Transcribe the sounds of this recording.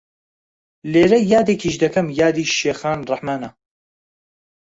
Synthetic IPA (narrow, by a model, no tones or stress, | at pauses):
leːɾɐjaːd̪eːkiːʃd̪ɐkʰɐmjaːd̪iːʃʃeːxaːnrɑħmaːnɐ